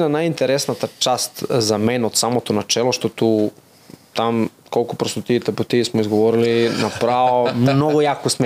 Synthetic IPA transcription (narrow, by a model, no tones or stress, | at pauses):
nanajint̪eɾesnat̪at͡ʃast̪zamenod̪samot̪onat͡ʃeloʃt̪ot̪u | t̪am | kolˠkopɾost̪ot̪it̪ɛpot̪iismoizɡoʋoɾilinapɾaomnoɡojakosm